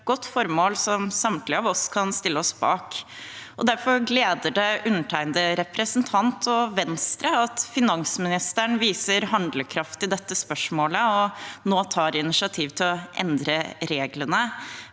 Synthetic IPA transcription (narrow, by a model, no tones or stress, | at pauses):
ɡ̥ɔt̪ːfɔɾmoːlsɔmsɑmt̪lɪɑʋɔskʰɑnst̪ɪlːəɔsb̥ɑːk | ɔd̪æɾfɔɾɡleːd̪əɖɛʔʉnːəʈʰæɪnd̪əɾɛpɾəsənt̪ʰɑnt̪ʰɔʋɛnst̪ɾəɑt̪fɪnɑŋsmɪnɪst̪əɳʋiːsəɾɦɑnd̪ləkʰɾɑft̪ɪd̪ɛt̪ːəspœʂmoːləɔnoːt̪ʰɑːɾɪnɪʂɪɑt̪ʰiːʋt̪ʰɪlɔʔɛ̰nd̪ɾəɾeːɡlənə